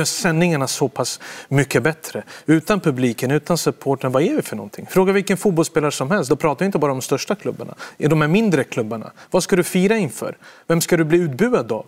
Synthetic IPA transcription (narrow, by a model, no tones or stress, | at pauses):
œsɛnːɪŋaɳasɔpʰasmʏkːəbɛt̪ɾəʉ̟ːt̪anpʰɵbliːkənʉ̟ːt̪ansɵpʰoːʈənvaæɾvɪfœɳɔ̰nt̪ʰɪ̰ŋfɾoːɡavɪlkːənfuːt̪bɔlspeːlaɾəʂɔmhɛlst̪̚d̪ɔpʰɾɑːt̪avɪnt̪əbɑːɾadɔmst̪œʂʈakʰlɵbːaɳa̰ɛɖɔmhæɾmɪnd̪ɾəkʰlɵbːaɳa̰vaskad̪ɵfiːɾaɪnfœ̰ːɾvɛmskad̪ɵbliːʉːt̪̚bʉ̟ːad̪ɔ̰